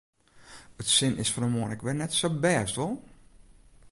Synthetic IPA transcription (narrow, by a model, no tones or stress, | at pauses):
ətsɪnɪsfɔnəmoənɪkʋɛnɛtsobɛːstʋɔlˠ